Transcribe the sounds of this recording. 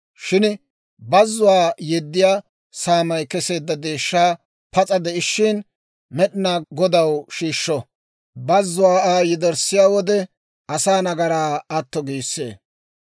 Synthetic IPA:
ʃɪn | bɐzːʊwaːjɛd̪ːɪjaː | saːmɐjkɛse̞ːd̪ːɐd̪eːʃːaː | pɐt͡sʼɐd̪ɛɪʃːɪn | mɛɗɪnaːɡɔd̪ɐwʃiːʃːɔ | bɐzːʊwaːaːjɛd̪ɛɾsɪjaːwɔd̪ɛ | ɐsaːnɐɡɐɾaːɐt̪ːɔɡiːsːḛː

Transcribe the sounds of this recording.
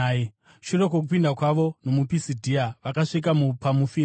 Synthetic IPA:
ʃuɾo̞k̬ok̬upindakwaʋo̞no̞mupisidʱiaʋakaʂik̬amupamufi

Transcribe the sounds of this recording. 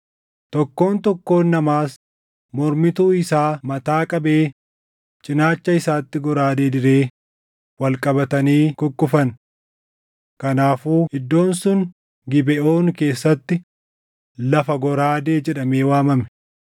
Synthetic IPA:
t̪ɔkːo̞ːnt̪ɔkːo̞ːnːɐmaːs | mɔɾmɪt̪uːɪsaːmɐt̪aːkʼɐbe̞ː | t͡ʃʼɪnaːt͡ʃːɐɪsaːt̪ːɪɡɔɾaːd̪e̞ːd̪ɪɾe̞ː | wɐlkʼɐbɐt̪ɐniːkʊkːʊfɐn | kɐnaːfuːhɪd̪ːo̞ːnsʊŋ | ɡɪbɛʔo̞ːnke̞ːsːɐt̪ːɪ | lɐfɐɡɔɾaːd̪eːd͡ʒɛᶑɐmeːwaːmɐmɛ̥

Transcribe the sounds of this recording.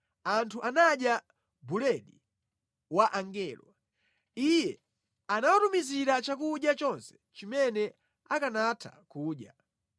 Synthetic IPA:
antʰuʔanaɗja | bulɛɗḭ | waʔaŋɡɛːlwa̰ | ijɛ | anawatumiziɾat͡ʃakuɗjat͡ʃɔnsɛ̥ | t͡ʃimɛnɛ | akanatʰa̰kuːɗja

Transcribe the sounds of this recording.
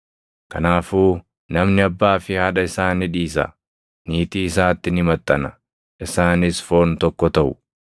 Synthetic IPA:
kɐnaːfuː | nɐmnɪɐbːaːfɪhɐᶑɐɪsaːnɪᶑiːsɐ̰ | niːt̪iːɪsaːt̪ːɪnɪmɐt̪ʼːɐnɐ | ʔɪsaːnɪsfo̞ːnt̪ɔkːɔt̪ɐʔʊ

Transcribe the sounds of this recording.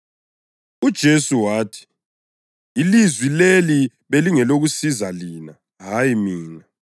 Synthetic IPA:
ud̥ʒ̥ʱesuwaːtʰi̥ | ilizwileli | βeliŋɛloɣusizaliːna | ɦajimiːna

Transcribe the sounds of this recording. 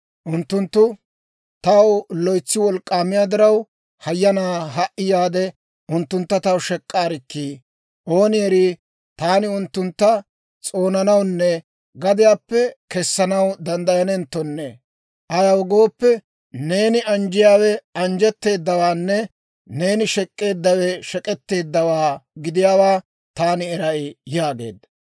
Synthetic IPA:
ʔʊnt̪ːʊnt̪ːʊ | t̪ɐwlɔjt͡sːɪwɔlkʼːaːmɪjaːd̪ɪɾɐw | hɐjːɐnaːɦɐʔɪjaːd̪ɛ | ʊnt̪ːʊnt̪ːɐt̪ɐwʃɛkʼːaːɾɪkːiː | ʔo̞ːnɪjɛɾiː | t̪aːnɪʊnt̪ːʊnt̪ːɐ | t͡sʼo̞ːnɐnɐwnːɛ | ɡɐd̪ɪjaːpːɛkɛsːɐnɐwd̪ɐnd̪ɐjɐnɛnt̪ːɔnːɛ | ʔɐjɐwɡo̞ːpːɛ | ne̞ːnɪʔɐnd͡ʒɪjaːwɛɐnd͡ʒɛt̪ːe̞ːd̪ːɐwaːnːɛ | ne̞ːnɪʃɛkʼːe̞ːd̪ːɐwɛʃɛkʼɛt̪ːe̞ːd̪ːɐwaːɡɪd̪ɪjaːwaː | t̪aːnɪɛɾɐɪjaːɡe̞̰ːd̪ːɐ

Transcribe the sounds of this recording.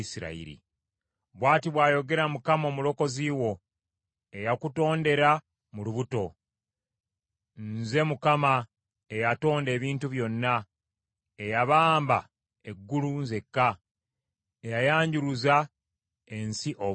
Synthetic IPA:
isiɾa̰ḭɾḭ | βwaːtiβwaːjo̞ɡe̞ɾamukamao̞ːmulo̞ko̞ziːwo̞ | e̞jakuto̞ːnde̞ɾa | muluβuto̞ | nze̞mukama | e̞jato̞ːnde̞ːβiːntuβjo̞nːa | ejaβaːmba̰ | e̞ɡːulunze̞kːa | ejajaːɲɟuɾuza | e̞nsiʔo

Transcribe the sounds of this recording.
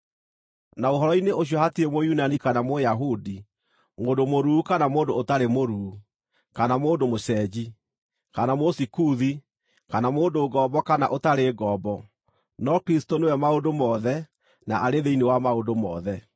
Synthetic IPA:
naoɦɔɾɔineoɕ̬jɔhatiemojunanikanamojaɦudi | moːndomoɾuːkanamoːndoːtaɾemoɾuː | kanamoːndomoɕɛːd͡ʑi | kanamosikuði | kanamoːndoɡɔbɔkana̰ʔotaɾeːɡɔːbɔ | nɔkɾistonewɛmaondomɔːðɛ | naʔaɾeðeinewamaodomɔ̰ðɛ

